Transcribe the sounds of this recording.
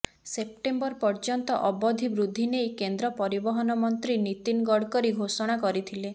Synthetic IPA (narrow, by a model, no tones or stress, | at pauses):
sep̚ʈembɔɾpɔɾd͡ʒɔnt̪ɔʔɔbɔd̪ʱibɾud̪ʱːinejkend̪ɾɔpɔɾibɔɦɔnɔmɔnt̪ɾinit̪inɡɔɽkɔɾiɡʱosɔɽ̃akɔɾit̪ʰile